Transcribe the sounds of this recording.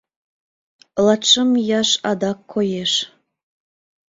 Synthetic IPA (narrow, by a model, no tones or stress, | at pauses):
lˠɑt̪ʃəmjɑʃɑd̪ɑkʰːojeʃ